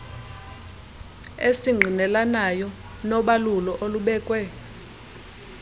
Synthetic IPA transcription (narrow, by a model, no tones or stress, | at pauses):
esiŋ͡ǀʱinɛlanajɔ | nɔɓalulɔʔoluɓɛːkʼwɛ